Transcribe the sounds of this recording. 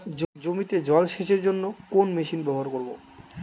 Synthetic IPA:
d͡ʑd͡ʑomit̪ed͡ʑɔlʃeʃeɾd͡ʑonːokonmeʃinbɛboɦaɾkoɾbo̰

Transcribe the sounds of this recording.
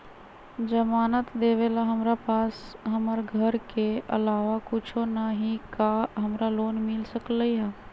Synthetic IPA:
d͡ʒəmaːnət̪d̪eːʋelaɦɐmɾapaːsɦəməɾɡʱəɾkeʔɐ̰laːʋakʊt͡ʃʰonaɦikaɦɐmɾaloːnmɪlsəkləiɦɛː

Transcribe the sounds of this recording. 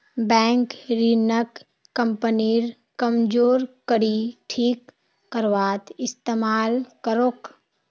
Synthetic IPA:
bɛ̃ːŋkɾinək | kːəmpəniɾ | kəmd͡ʒoːɾkəɾiʈʰiːkː | əɾʋaːt̪ɪst̪eːmaːlkəɾoːk

